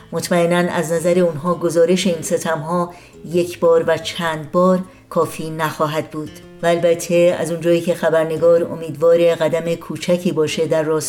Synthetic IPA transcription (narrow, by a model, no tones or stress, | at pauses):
mot̪ʰmæenænæ̰znæzæɾe̞unɦɒːɡo̞zɒːɾe̞ʃe̞iːnse̞t̪ʰæmɦɒː | je̞cʰbɒːɾvæt͡ʃʰæːnd̪̚bɒːɾ | kʰɒːfiːnæxɒːɦæd̪̥̚buːd̪̥ | væːlbæt̪ʰːe̞æ̰zund͡ʒɒːiːcʰe̞xæbæɾne̞ɡɒːɾo̞̰miːd̪vɒːɾe̞ɣæd̪æme̞kʰuːt͡ʃʰæcʰiːbɒːʃe̞d̪æɾːɒːs